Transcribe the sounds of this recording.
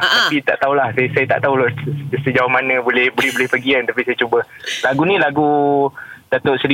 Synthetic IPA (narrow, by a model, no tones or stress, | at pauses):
t̪apit̪a̰ʔt̪aulahsasajat̪a̰ʔt̪aulsəd͡ʒawamanə̃bolɛhbolɛhbolɛhpəɡiant̪apisajət͡ʃobə | laɡunĩlaɡu | d̥at̪ʊʔsɾi